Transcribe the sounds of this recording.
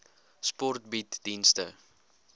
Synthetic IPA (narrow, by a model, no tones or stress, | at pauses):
spɔrt̚bitdinstə